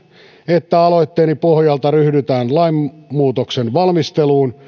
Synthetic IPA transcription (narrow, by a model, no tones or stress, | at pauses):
et̪ːæɑloit̪ːeːnipohjɑlt̪ɑryhdyt̪æːnlɑimːuːt̪oksenʋɑlmist̪eluːn